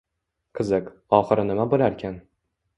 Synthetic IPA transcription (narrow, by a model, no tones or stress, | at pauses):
qʰɨzɨq | ɒχɨɾɪnɪmabolaɾkʲʰan